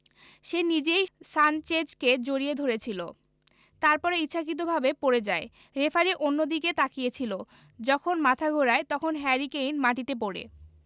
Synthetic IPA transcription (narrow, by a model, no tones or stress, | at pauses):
ʃenid͡ʑejsant͡ɕed͡ʑked͡ʑoɾied̪ʱoɾet͡ɕʰilo | t̪aɾpɔɾeitːɕʰakɾit̪̬obʱabepoɾed͡ʑae | ɾefaɾiʔonːod̪iket̪akijet͡ɕʰilo | d͡ʑɔkʰonmat̪ʰaɡʱoɾaet̪ɔkʰonɦɛɾikejnmaʈit̪ep̬oɽḛ